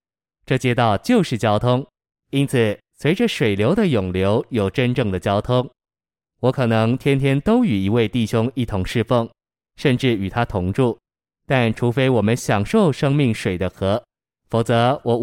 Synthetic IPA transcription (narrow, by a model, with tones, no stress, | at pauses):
ʈ͡ʂɤ˥˩t͡ɕjɛ˥t̪ɑ˥˩ʊt͡ɕjo˥˧ʊʂɻ̩˥˩t͡ɕjɑ˥ʊt̪ʰʊ˥ŋ | i˥nt͡sʰɹ̩˨˩ | swe˧˥ɪʈ͡ʂə˧ʂwe˨˩ɪljo˧˥d̪ə˧jʊ˨˩ŋljo˧˥ʊjo˨˩ʊʈ͡ʂə˥nʈ͡ʂɤ˥˩ŋd̪ə˩t͡ɕjɑ˥ʊt̪ʰʊ˥ŋ | wɔ˧˥kʰɤ˨˩nɤ˧˥ŋt̪ʰjɛ˥nt̪ʰjɛ˥nt̪o˥ʊy˨˩i˧˥we˥˧ɪt̪i˥˩ɕjʊ˥ŋi˥˩t̪ʰʊ˧˥ŋʂɻ̩˥˧fɤ˥˩ŋ | ʂə˥˧nʈ͡ʂɻ̩˥˩y˨˩t̪ʰa˥t̪ʰʊ˧˥ŋʈ͡ʂu˥˩ | t̪a˥˩nʈ͡ʂʰu˧˥fe˥ɪwɔ˨˩mə˦nɕjɑ˨˩ŋʂo˥˩ʊʂɤ˥ŋmi˥˩ŋʂwe˨˩ɪd̪ə˦xɤ˧˥ | fo˨˩t͡sɤ˧˥wɔ˨˧˥